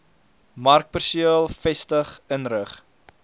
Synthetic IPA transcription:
mɐrk̚pərsiəlˠfɛstəχənrəχ

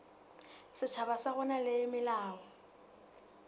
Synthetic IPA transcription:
sɪt͡ʃʰabasaɣʊnalɪmɪlaːɣɔ

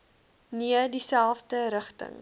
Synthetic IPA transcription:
niədisælˠfdəɾəχtə̰ŋ

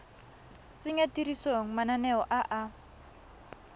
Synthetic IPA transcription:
t͡sɪɲatiɾisoŋ̩mananɛɔʔaʔa

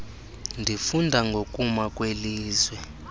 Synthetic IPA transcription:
ndʱifundʱaŋɡʱokʼumakʼweliːzwɛ

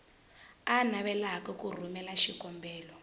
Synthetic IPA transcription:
anaβɛlaakɛkur̤umɛlaʃikɔmbɛːlɔ

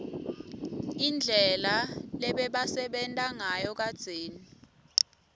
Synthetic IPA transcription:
ind͡ɮʱɛlalɛɓɛɓasɛɓɛntʼaŋajɔk̬ad̥z̥ʱeːni

